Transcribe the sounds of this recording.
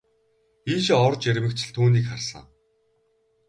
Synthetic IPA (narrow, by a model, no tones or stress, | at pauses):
iːʃɔrt͡ɕæɾʲmɘ̆kt͡ɕʰɪ̆ɮt̪ʰuːniːkχarsə̰̆ŋ